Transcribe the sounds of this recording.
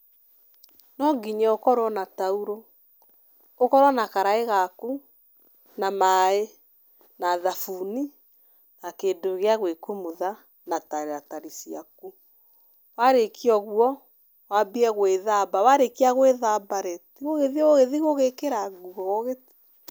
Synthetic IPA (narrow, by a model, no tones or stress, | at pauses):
nɔɡiɲɛokɔɾwɔnatauɾo | okɔɾwɔnakaɾaeɣaku | namae | naðafuni | nakendoɣeaɣwekumuða | nataɾeataɾisiaku | waɾekʰiɔɣwɔ | wabiɛɣweðabawaɾekiaɣweðabaɾɛtiɣoɣeðioɣeðiɣoɣekeɾaɡuɣɔɣɔɣeti̥